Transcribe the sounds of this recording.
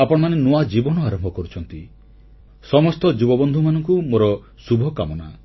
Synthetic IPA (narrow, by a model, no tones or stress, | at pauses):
apɔɽɔmanenoad͡ʒibɔnɔaɾɔmbʱɔkɔɾut͡ʃʰɔnt̪i | sɔmɔst̪ɔd͡ʒubɔbɔnd̪ʱumanɔŋkumoɾɔ | subʱɔka̰mɔna̰